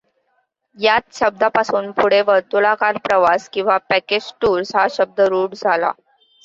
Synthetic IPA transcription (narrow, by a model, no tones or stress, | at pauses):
jat̪ɕəb̚d̪apasuːnpuɽ̤eʋəɾt̪ulakaɾpɾəʋaskĩw̃ʋapæked͡ʑʈuːɾsɦaɕəb̚d̪əɾuːʈd͡zʱala̰